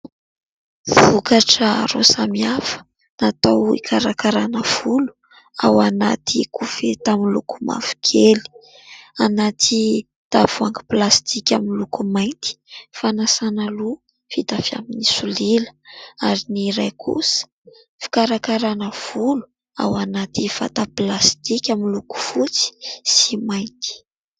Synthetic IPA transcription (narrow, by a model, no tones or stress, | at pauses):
vukaʈ͡ʂəɾo̰samiafə̥ | nat̪awḭkʰaɾakaɾanəv̥ulu̥ | a̰wana̰t̪ikʰufet̪amilukuma̰vu̥kʰeli̥ | anat̪ʰi | t̪av̥uaŋɡi̥plast̪ʰikʲamilukumajnt̪i̥fanasanalu | fit̪afja̰minisulilə̥aɾiniɾajkʰṵsə̥ | fi̥kaɾakaɾanəv̥ulu̥ | a̰wanat̪ifa̰t̪aplast̪ikʲamiluku̥fut͡si̥simajnt̪i̥